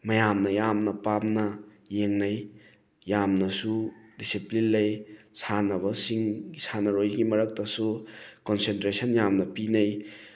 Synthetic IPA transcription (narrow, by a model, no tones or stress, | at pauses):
mɐjamnɐjamnɐpamnɐ | jeŋnɐj | jamnɐsudisiplinlɐjsʰanɐbɐsiŋisʰanɐɾojɡimɐɾɐk̚tɐsukonsentɾesɐnjamnɐpinɐj